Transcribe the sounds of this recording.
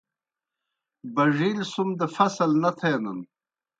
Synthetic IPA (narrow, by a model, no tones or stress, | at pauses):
bɐʐiːlsumd̪əfɐsɐlnɐt̪ʰeːnɐn